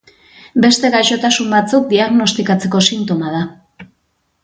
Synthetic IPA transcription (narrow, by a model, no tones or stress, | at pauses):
be̞st̪e̞ɣaʃo̞t̪asumbat͡suk̚d̪iaɣno̞st̪ikat͡se̞ko̞sint̪o̞mað̞a